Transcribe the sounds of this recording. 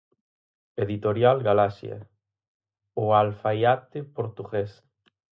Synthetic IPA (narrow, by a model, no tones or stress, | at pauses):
eðit̪oɾjalɡalasja̰ | ʊalfajat̪epoɾt̪uɣes